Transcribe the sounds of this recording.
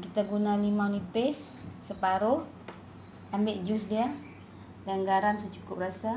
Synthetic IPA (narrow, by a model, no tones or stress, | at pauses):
kit̪aɡunanimawnipɪsː | əpaɾʊh | ambɪʔd͡ʒʊsdia | danɡaɾamsət͡ʃukʊp̚rasa